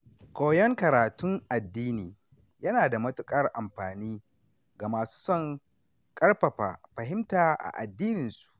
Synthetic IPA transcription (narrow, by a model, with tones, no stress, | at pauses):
koː˨jɔ˦ŋkɐ˨ɾaː˨tʊ˦ŋʔa˨dːiː˦niː˨ | jɐ˦naː˨da˨mɐ˦tʊ˦kʼɐ˦rʔa˨mɸaː˨niː˦ | ɡa˨maː˨su̥ː˦sɔ˦ŋ | kʼɐ˦rɸɐ˨ɸa̰ː˨ɸɐ˨ɦɪ˦mtaː˨ʔa̰˨ʔa̰˨dːiː˦nɪ˨nsu̥˨ʔ